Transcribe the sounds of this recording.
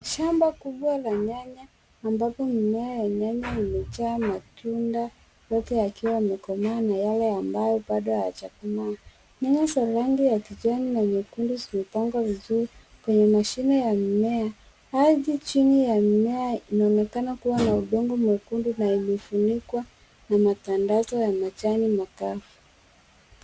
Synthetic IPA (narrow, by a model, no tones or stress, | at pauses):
ʃambakuɓwalaɲaɲaː | mbapɔmimɛajaɲaɲaimɛt͡ʃaːmatunda | jɔtɛakiwamɛkɔmaːnajalɛambajɔɓaɗɔhaja̰t͡ʃakumaː | ɲaɲasalaŋɡijakiʄaninamɛkundizimɛpaŋɡwavizuɾi | kwɛɲɛmaʃinɛjam̩mɛa | haðit͡ʃinijammɛainaɔnɛkanakuwanauɗɔŋɡɔmukundinailifunikwa | namatandazɔjamat͡ʃanimakafu